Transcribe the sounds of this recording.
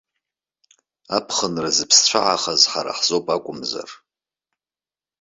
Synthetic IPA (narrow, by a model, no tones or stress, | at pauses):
apʰχənrazɨpʰst͡ɕʷʰaʕaχazħaɾa̰ħzopʼakʷʼʊmza̰r